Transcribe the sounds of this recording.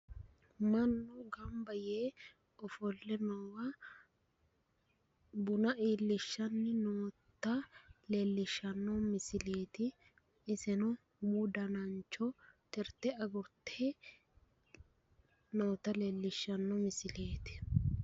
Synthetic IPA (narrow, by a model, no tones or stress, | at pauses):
mɐnːɔɡɐmbɐjeː | ɔfɔlːɛnɔwɐ | bʊnɐʔiːlːɪʃːɐnːɪnoːt̪ːɐlelːɪʃːɐnːɔmɪsɪleːt̪ɪ | ɪsɛnɔ | mʊd̪ɐnɐnt͡ʃːɔt̪ɛɾt̪ɛɐɡʊɾt̪ʰːe | noːt̪ːɐlelːɪʃːɐnːɔmɪsɪleːt̪ɪ̥